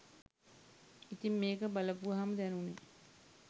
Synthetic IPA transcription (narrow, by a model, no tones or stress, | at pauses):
it̪immeːkəbaləpuʋaɦaməd̪ænune